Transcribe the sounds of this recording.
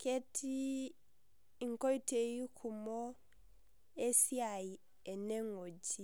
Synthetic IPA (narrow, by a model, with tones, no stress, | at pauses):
kɛ˦tʰi˦ | i˨ŋkɔ˦i˦te˨ji˦kʰu˨mɔ˦ | ɛ˦si˦a˨i˨ | ɛ˨nɛ˦ŋo˨d͡ʒi˦